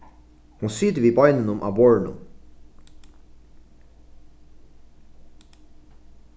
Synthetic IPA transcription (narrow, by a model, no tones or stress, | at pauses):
hunsyːt̪əviːbɑjnənʊmʔa̰ːbɔɹnʊ̰m